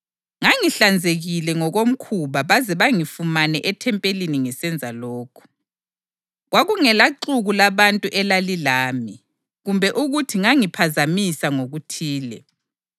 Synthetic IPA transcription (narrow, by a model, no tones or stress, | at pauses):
ŋaŋiɬand͡zʱeɣilɛŋɔɣom̩kʰuβaβazɛβaŋifumanɛʔɛtʰɛmpʼeliniŋɛsɛnd͡zʱalɔːkʰɔ̥ | ɣwaɣuŋɛlaǃuɣulaβantʼuʔɛlalilaːmi | ɣumbʱɛʔuɣutʰiŋaŋipʰazamisaŋoɣutʰiːlɛ̰